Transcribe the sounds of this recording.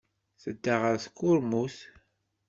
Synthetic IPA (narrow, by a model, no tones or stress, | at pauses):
θəd̪ːaʁəɾθkːʊɾmuθ